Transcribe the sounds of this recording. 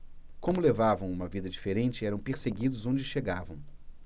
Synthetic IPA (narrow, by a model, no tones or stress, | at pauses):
kõmʊlevavɐ̃w̃ũmɐvid̪ɐd͡ʒifeɾẽnt͡ʃɪɛɾɐ̃w̃peɾseɡid̪ʊzõd͡ʒɪʃeɡavɐ̰̃w̃